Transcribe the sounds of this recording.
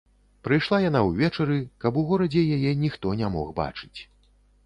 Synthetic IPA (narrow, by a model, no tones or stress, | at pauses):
pɾɨjʂlˠajan̪awvʲɛt͡ʂɐɾɨkɐpuɣɔɾɐd͡zʲɛjajɛnʲixt̪ɔnʲamɔ̰ɣba̰t͡ʂɨ̥t͡sʲ